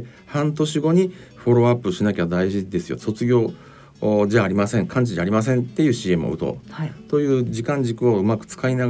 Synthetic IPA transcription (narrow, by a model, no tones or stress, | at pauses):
hãnt̪o̞ɕiɡo̞ɲ̟iɸo̞ɾo̞apːɯ̟ɕinakʲad̪aiʑid̪e̞sɨjo̞̰so̞t͡sɨɡʲo̞ː | d͡ʑaːɾʲimasẽ̞ŋkʰãɲ̟t͡ɕid͡ʑaːɾʲimas̬ẽnt̪e̞jɯ̟ːɕiːe̞mɯ̟o̰ɯ̟t̪o̞̰t̪o̞jɯ̟ːd͡ʑikãɲ̟d͡ʑikɯ̟o̞ɯ̟makɯ̟̥t͡sɨ̥kainaɡ